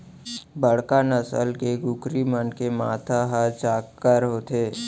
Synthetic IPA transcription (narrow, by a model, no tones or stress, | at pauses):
bəɽ̤kanəsə̰lkeɡʊkɾimənkemaːt̪ʰaɦət͡ʃaːkːəɾɦoːt̪eː